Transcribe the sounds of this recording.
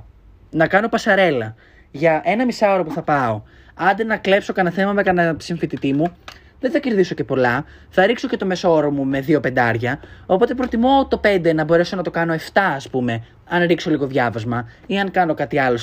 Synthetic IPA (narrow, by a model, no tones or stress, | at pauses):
nɐkɐno̞pɐsɐɾe̞lɐ | ʝɐʔe̞nɐmisɐo̞ɾɐpuθɐpɐo̞ | ɐnd̪enɐkle̞pso̞kɐnɐθe̞mɐmekɐnɐsiɱfit̪it̪imu | ðenθɐce̞ɾðiso̞ce̞po̞lɐ | θɐɾikso̞ce̞t̪ome̞sooɾomume̞ðio̞pe̞nd̪ɐɾʝɐo̞po̞t̪e̞pɾo̞t̪imo̞t̪o̞pe̞nd̪enɐbo̞ɾe̞so̞nɐt̪o̞kɐno̞e̞ft̪ɐːspume̞ | ɐnɾikso̞liɣo̞ðʝɐvɐzmɐ | iɐŋkɐno̞kɐt̪iɐlo̞